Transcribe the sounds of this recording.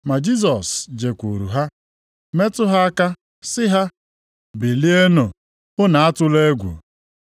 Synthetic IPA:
ma˨d͡ʒi˦s̬ɔ˨sd͡ʒe˨kʷu˨ɾṵ˨ɦa˦ | me˦tʊ˦ɦa˦a˦ka˦ | sɪ˦ɦa˦ | bi˨li˦e˦no˨ | ʊ˦na˨a˦tʊ˦le˦ɡʷṵ˨

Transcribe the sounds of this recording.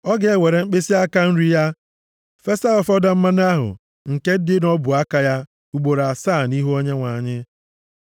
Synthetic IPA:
ɔ˦ɡe˨e˦we˨ɾe˨ŋ͡m̩˦k͡pe˦si˦a˦ka˦n̩˦ɾi˦ja˦ | fe˦sa˦ɔ˨fɔ˦da˦m̩˦ma˦na˦ɦʊ̰˨ | ŋ̩˨ke˦dɪ˦nɔ˦bʊ˨a˦ka˨ja˦ | u˦ɡ͡bo˨ɾa˨saː˦˨ni˦ɦu˦o˦ɲe˦ŋʷa˨ɲɪ˦

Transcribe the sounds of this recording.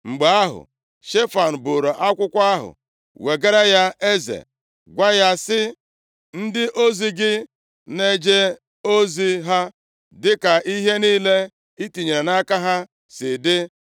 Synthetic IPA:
ŋ͡m̩˨ɡ͡ba˦ɦʊ̰˨ | ʃe˦fa˨n̩˨bo˨ɾo˨ʔa˦kʷʊ˦kʷa˦ɦʊ̰˨ | we˨ɡe˦ɾa˦ja˦e˦zḛ˨ | ɡʷa˦ja˦sɪ˦ | n̩˦dɪ˦ʔo˦zi˦ɡɪ˦ | ne˦d͡ʒe˦ | o˦zi˦ɦa˦ | dɪ˦ka˨ʔi˦ɦe˦niː˦le˦ | i˦ti˨ɲe˨ɾe˨na˦ka˦ɦa˦ | sɪ˨dɪ˦

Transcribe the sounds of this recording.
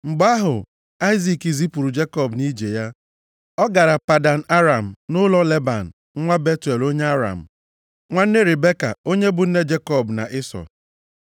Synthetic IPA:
ŋ͡m̩˨ɡ͡ba˦ɦʊ˨ | a˦ɪ˦zi˨ki˨zi˦pu˨ɾu˨d͡ʒe˦kɔ˦bni˦d͡ʒe˨ja˦ | ɔ˦ɡa˨ɾa˨pa˨da˨n̩˨a˦ɾa˨m̩˨nʊ˦lɔ˦le˦ba̰˨n̩˨˦ŋʷa˦be˦te˨lo˦ɲe˦a˦ɾa̰˨m̩˨ | ŋʷa˦n̩˦e˦ɾe˨be˦ka̰˨o˦ɲe˦bʊ˨n̩˦ne˦d͡ʒe˦kɔ˦˨bna̰˨ʔɪ˦sɔ̰˨

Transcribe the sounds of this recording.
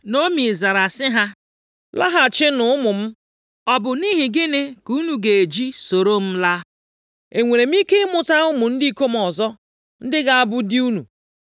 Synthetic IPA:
no˦mi˨za˨ɾa˨sɪ˦ɦa˦ | la̰˦ɦa˨t͡ʃɪ˦nʊ˦ʊ˦mʊ˨m̩˦ | ɔ˦bʊ˨ni˦ɦɪ˨ɡɪ˦ne˦ku˦nu˨ɡe˨d͡ʒi˦so˨ɾo˦m̩˦la˦ | e˨ŋʷe˨ɾe˨m̩˦i˦ke˦mʊ˨ta˦ʊ˦mʊ˨n̩˦di˦ko˦m̩˦ɔ˨zɔ˦ | n̩˦dɪ˦ɡa˦˨a˦˨bʊ˦di˦u˦nu˨

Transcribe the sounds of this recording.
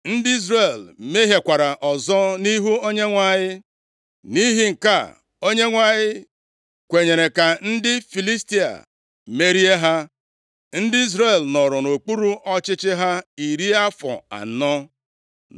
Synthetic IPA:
n̩˦dɪ˦i˦zɾe˨lme˦ɦe˨kʷa˨ɾa˨ʔɔ˨zɔ˦ni˦ɦu˦o˦ɲe˦ŋʷa˨ɲɪ˦ | ni˦ɦɪ˦ŋ̩˨ka˦˨ | o˦ɲe˦ŋʷa˦˨ɲɪ˦ | kʷe˨ɲe˨ɾe˨ka˨n̩˦dɪ˦fi˨li˦sti˦a̰˨ | me˦ɾi˦e˦ɦa˦ | n̩˦dɪ˦i˦z̬ɾe˦˨lnɔ˨ɾʊ˨no˨k͡pu˦ɾu˦ʔɔ˦t͡ʃɪ˦t͡ʃɪ˦ɦa˦i˨ɾi˦a˦fɔ̰˨a̰˨˦nɔ˦

